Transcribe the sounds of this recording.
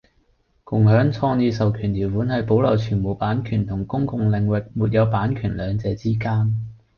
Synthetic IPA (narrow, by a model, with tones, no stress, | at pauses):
kʊ˨˩ŋhœː˨˥ŋt͡sʰɔː˧niː˨˧sɐ˨wkʰyː˨˩nt̪ʰiː˨˩wfuː˨˥nhɐ˨jpo˨˥wlɐ˨˩wt͡ʃʰyː˨˩nmo˨˩wpaː˨˥nkʰyː˨˩nt̪ʰʊ˨˩ŋkʊ˥ŋkʊ˨ŋlɪ˨ŋwɪ˨k̚muː˨t̚jɐ˨˧wpaː˨˥nkʰyː˨˩nlœː˨˧ŋt͡sɛː˧t͡siː˥kaː˥n